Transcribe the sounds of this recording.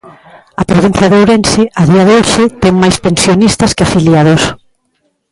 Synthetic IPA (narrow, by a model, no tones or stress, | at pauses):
ɐpɾoβin̟θjɐðowɾɛnsɪaðiɐðeoʃɪt̪ɛŋmajspensjonist̪ɐskɪafiljaðos